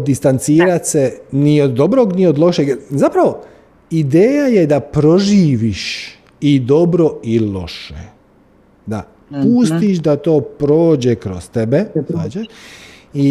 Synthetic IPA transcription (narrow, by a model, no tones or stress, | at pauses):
d̪ist̪ant̪siːɾat̪ʲseniod̪ːobɾoɡniod̪lˠo̞ʃeɡzapɾaʋo̞ | id̪eːjajed̪apɾo̞ʒiːʋiʃ | id̪o̞bɾo̞ilo̞̰ʃḛ | d̪a̰ | puːst̪iʃd̪at̪o̞ːpɾo̞ːd͡ʑekɾost̪ebezaːt͡ɕeʃ | i